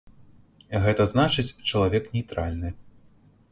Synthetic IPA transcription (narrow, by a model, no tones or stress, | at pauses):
ɣɛt̪ɐznat͡ʂɨt͡sʲt͡ʂɐlˠavʲɛknʲɛjt̪ɾalʲnɨ